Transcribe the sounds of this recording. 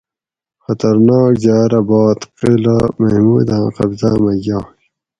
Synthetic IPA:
xɐt̪ɐɾnaːkd͡ʑaːɾɐbaːt̪qilamɐhmuːd̪ãːqɐbzaːmɐjaː

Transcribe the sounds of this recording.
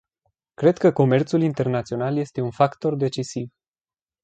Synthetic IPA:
kɾe̞d̪kəko̞me̞rt̪sulint̪e̞rnat̪sio̞nalje̞st̪e̞unfakt̪o̞rd̪e̞t͡ʃisiv

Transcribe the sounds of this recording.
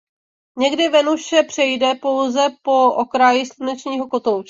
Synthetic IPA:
ɲɛɡdɪvɛnuʃɛpr̝̥ɛjdɛpo̞wzɛpo̞ʔokɾajɪslunɛt͡ʃɲiːɦo̞ko̞t̪owt͡ʃ

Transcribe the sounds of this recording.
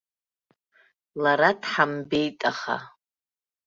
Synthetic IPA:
laɾadħambe̞jtʼaχa̰

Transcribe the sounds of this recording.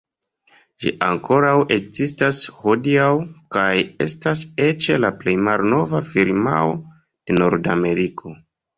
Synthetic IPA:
ʒḭʔa̰ŋkʰo̞ɾawʔekzistasho̞diawkaje̞̰stase̞t͡ʃe̞laple̞jmalno̞vafiɾma̰o̰ | d̥e̞no̞ɾdame̞ɾikʰo̞

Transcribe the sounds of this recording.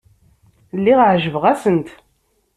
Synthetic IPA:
lːiʁʕʒəvəʁæsənt̪

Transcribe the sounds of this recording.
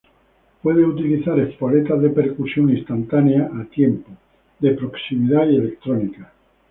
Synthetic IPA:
pwe̞ð̞eut̪̬iliθaɾespale̞t̪aðepe̞ɾkusjo̞nist̪ant̪aneaʔːt̪je̞mpo | ðe̞pɾo̞ksimiðaie̞le̞k̚t̪ɾonika

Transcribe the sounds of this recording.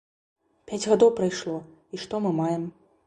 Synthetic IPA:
pʲad͡zʲɣad̪ɔwpɾajʂlˠɔ | iʂt̪ɔmɨmajɛm

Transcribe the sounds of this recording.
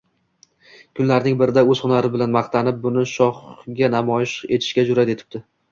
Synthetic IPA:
kʰʊnlaɾnɪŋbɪɾɪd̪aɵz̥χʊnaɾɪbɪlanmɑχt̪ʰanɪp̚bʊnɪʃɒχɡʲanamɒjɪʃe̞t̪ʰɪ̥ʃkʲad͡ʒʊɾat̪e̞t̪ʰɪ̥b̚d̪̥ɪ

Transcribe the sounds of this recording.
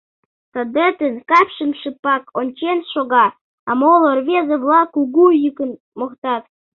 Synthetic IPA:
t̪ə̆d̪et̪ənkɑpʃəmʃɨpɑkʰonʲt͡ɕenʃoɣɑ | ɑmolˠorβʲezĕβlˠɑkuɣujykə̆n | moχt̪ɑt̪

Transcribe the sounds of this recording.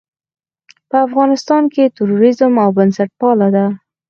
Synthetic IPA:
pəafɣɑnɪst̪ɑnket̪ʊɾoɾɪzəmawbənsaʈ̚pɑlad̪a

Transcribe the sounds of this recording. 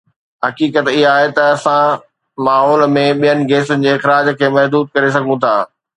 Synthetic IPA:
ɦɐkiːkət̪ɪɦaːɦet̪ɐɐsã | maːɦɔːlmẽɓijənɪ̆ɡeːsʊnɪ̆d͡ʑeːɪxɾaːd͡ʑkʰeːmɐɦd̪uːd̪̚kɐɾesɐɡʱũt̪ʰaː

